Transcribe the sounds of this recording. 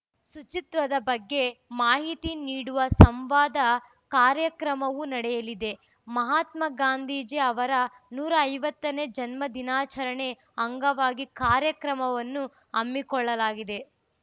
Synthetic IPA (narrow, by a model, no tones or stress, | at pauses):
sut͡ʃit̪ʋɐd̪ɐbɐɡːe̞maːɦit̪iniːɽuʋɐsɐmʋaːd̪ɐ | kaːɾjɐkɾɐmɐʋunɐɽɛjɐlid̪e̞ | mɐɦaːt̪mɐɡaːnd̪ʱiːd͡ʒeɐʋɐɾɐ | nuːɾɐːjʋɐt̪ːɐne̞d͡ʒɐnmɐd̪inaːt͡ʃɐɾɐɳe̞ | ɐŋɡɐʋaːɡikaːɾjɐkɾɐmɐʋɐnːu | ɐmːikɔɭːɐlaːɡid̪e̞